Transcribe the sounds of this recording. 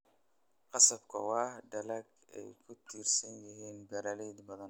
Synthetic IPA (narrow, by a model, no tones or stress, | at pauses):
qɑsɐbkʰɐwɑːhd̪ɐlɐɡ | ɛ̰jkʰʊt̪ʰiːrsɐnjɪɦiːnbɐɾɐlɛd̪bɐðɐn